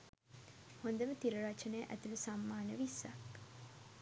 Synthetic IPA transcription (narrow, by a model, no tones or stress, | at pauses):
hond̪əmət̪iɾəɾat͡ʃənəjəʔæ̰t̪ulusamːaːnəʋisːa̰k